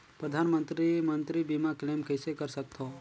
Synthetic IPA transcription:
pɾəd̪ʱaːnmə̃nt̪ɾimə̃nt̪ɾibimakleːmkəjsekəɾsək̚t̪ʰo

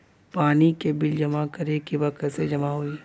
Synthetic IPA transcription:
paːnikebɪld͡ʒɐmakɐɾekiʋɐksed͡ʒɐmaɦui

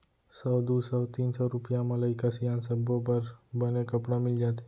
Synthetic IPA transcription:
sɔːd̪uːsɔt̪iːnsɔɾʊpjãmɐlaɪkasijaːnsɐbopɐɾbɐnekɐpɽamɪld͡ʒaːt̪ɛ̃

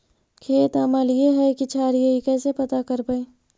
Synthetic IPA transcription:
kʰeːt̪əməljeɦɛkit͡ʃʰaːɾjeikɛːsepɐt̪akəɾpəe

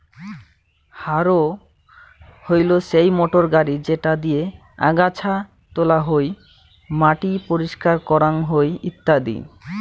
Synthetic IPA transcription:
haɾo | hojloʃejmoʈoɾɡaɾid͡ʑeʈad̪ije | a̰ɡat͡ɕʰa | t̪olaɦoj | maʈipoɾiʃkaɾkɔɾaŋɦojit̪ːad̪ḭ

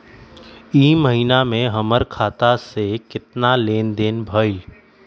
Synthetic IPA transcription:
iːməɦinamẽɦəməɾkʰaːt̪asekɪt̪naleːnd̪eːnbʱəɪl

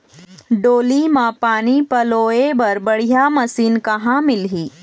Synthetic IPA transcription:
ɖoːlimãpaːnipɐloːebɐɾbɐɽ̤ijamɐsiːnkɐɦãmɪlɦiː

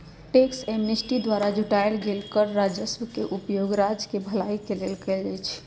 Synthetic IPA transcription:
ʈeksemnesʈid̪waɾad͡ʒʱuʈaelɡelkəɾɾad͡ʒəsʋəkeʔupjoɡɾad͡ʒkebʱəlaikelelkɛld͡ʒɛjt͡ʃʰ

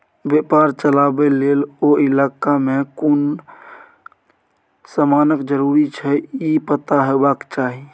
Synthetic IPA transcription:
bepaɾt͡ʃəlabeleloilakamekun | səmanəkd͡ʒəɾuɾit͡ʃʰɛipət̪aɦebakt͡ʃaɦi

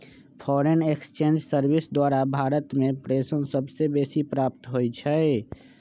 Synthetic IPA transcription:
pʰɔːɾenekst͡ʃẽːnd͡ʒsəɾbɪsd̪waːɾabʱaːɾət̪mẽpɾeːsənsəbsebeːsipɾaːp̚t̪ɦoit͡ʃʰɛ

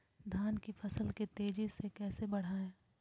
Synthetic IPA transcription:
d̪ʱaːnkifʰɐsəlkit̪eːd͡ʒisekɛːsebɐɽ̤aːẽː

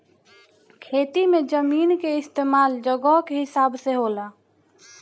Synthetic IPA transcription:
kʰeːt̪imẽd͡ʒəmiːnkeɪst̪eːmaːld͡ʒəɡəɦkeɦɪsaːbseɦoːlaː

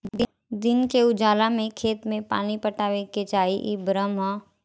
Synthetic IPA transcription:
d̪ɪnkeʊd͡ʒaːlamẽkʰeːt̪mẽpa̰ːnipəʈaːʋeket͡ʃaːiʔibɾəmɦə

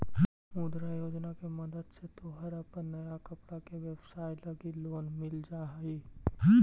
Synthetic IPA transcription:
mũd̪ɾajoːd͡ʒnakemɐd̪əd̪set̪oɦɐɾəpənnɐjakɐpɽakeʋebsaːjlɐɡiloːnmɪld͡ʒaːɦiː

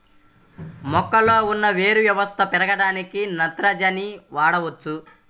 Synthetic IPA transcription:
mɔkːɐlo̞ːunːɐʋe̞ːɾuʋjɐʋɐst̪ʰɐpɛɾɐɡɐɽaːnikinɐnt̪ɾɐd͡ʒɐniʋaːɽɐʋɐt͡ʃːu

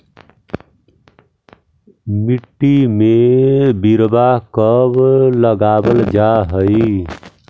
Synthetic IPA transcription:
miʈːimebiɾbakʌbləɡabəld͡ʒaɦəj

